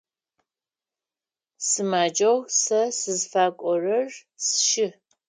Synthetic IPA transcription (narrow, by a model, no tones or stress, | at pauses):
sɨmaːd͡ʒɐʁsɐsɨzfaːkʷʼɔrɐrsʃɪ